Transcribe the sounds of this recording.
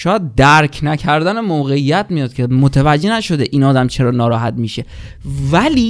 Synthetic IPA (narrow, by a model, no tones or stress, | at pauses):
ʃɒːjæd̪̚d̪æɾkʰnæcʰæɾd̪ænemoːɣe̞ijːæt̪mijɒːd̪̥̚kʲʰemot̪ʰevæd͡ʒːenæʃo̞d̪eʔiːnɒːd̪æmt͡ʃʰe̞ɾɒːnɒːɾɒːɦæt̪miːʃe̞ | væliː